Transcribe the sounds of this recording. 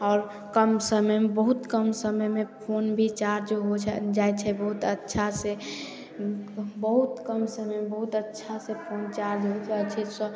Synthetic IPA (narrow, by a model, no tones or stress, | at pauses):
ɔːɾ | kəmsəməjmebəɦut̪kəmsəməjmepʰonbʱit͡ʃaɾd͡ʒoɦot͡ʃʰɛd͡ʒajt͡ʃʰɛbəɦut̪ətːʃʰase | bəɦut̪kəmsəməmebəɦut̪ətːʃʰasepʰont͡ʃaɾd͡ʒɦot̪ʰɛt͡ʃʰɛsɔ